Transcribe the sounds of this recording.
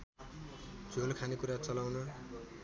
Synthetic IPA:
d͡zʱolkʰanekuɾat͡sʌlawnʌ

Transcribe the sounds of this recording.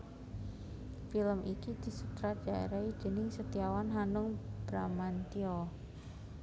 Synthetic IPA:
filəmʔikid̪̥i̤sut̪ɾad̥aḛɾaid̪̥ə̤nɪŋsət̪iawanɦanʊŋb̥ɾamant̪iɔ

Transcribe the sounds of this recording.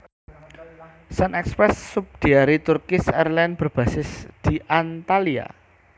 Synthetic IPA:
sənɛkspɾɛsːup̚d̪̥i̤aɾit̪urkɪsɛrlanb̥ərb̥ä̤sɪsd̪̥i̤ʔant̪alia̰

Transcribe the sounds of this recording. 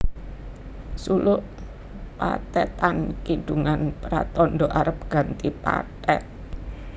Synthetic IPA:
sulʊʔ | pa̰t̪ɛt̪ankiɖ̥uŋanpɾa̰t̪ɔnɖɔʔaɾəp̚ɡ̥a̤nt̪ipa̰t̪ɛ̰t̪̚

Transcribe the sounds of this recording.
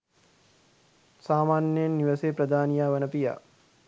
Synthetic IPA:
saːmaːnjəjnːiʋəseːpɾɐd̪ʱaːnijaːʋənəpija̰ː

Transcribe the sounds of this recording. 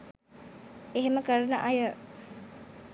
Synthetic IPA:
eɦeməkəɾnəʔajə

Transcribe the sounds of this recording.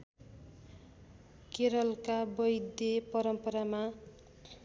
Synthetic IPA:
keɾʌlkabʌjd̪epʌɾʌmpʌɾama

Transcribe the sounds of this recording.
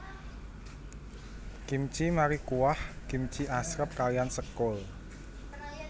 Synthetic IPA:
ɡ̥imt͡ʃimaɾikuwahkimt͡ʃiasɾəp̚kalijansəkʊl

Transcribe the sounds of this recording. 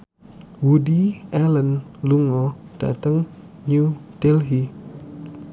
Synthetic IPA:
wudiʔalənluŋɔd̥a̰t̪əŋ | ɲud̥elɦi

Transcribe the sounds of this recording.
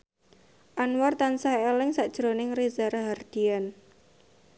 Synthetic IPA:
ʔanwart̪ansaɦelɪŋsad̥ʒ̥ɾonɪŋrizaɾaɦard̪̥ian

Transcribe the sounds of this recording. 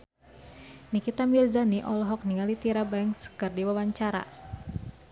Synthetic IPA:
nikit̪amirzaniʔɔlɔɦɔk̚niŋalit̪iɾabaɛŋskɨrdiwawaɲt͡ʃaɾa̰

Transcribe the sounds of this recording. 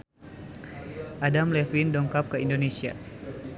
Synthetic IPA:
ʔadamlɛfindɔŋkap̚kəindonesia̰

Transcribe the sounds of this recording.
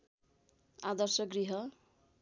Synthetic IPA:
ad̪ʌrsʌɡriɦʌ

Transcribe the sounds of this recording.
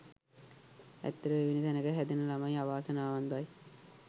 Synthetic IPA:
æ̰t̪ːəɾəʋeʋinit̪ænəkəɦæd̪enəlamajaʋaːsənaːʋand̪aj

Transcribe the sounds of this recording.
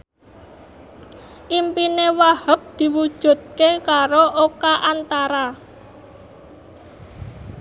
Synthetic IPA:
ʔimpinewahəp̚d̪̥i̤wud̥ʒ̥ṳd̪̚kekaɾoʔokaʔant̪aɾa

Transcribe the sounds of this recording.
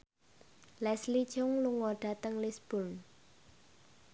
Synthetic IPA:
lɛslid̥ʒ̥ʊŋluŋɔɖ̥ä̤t̪əŋlisb̥ʊn

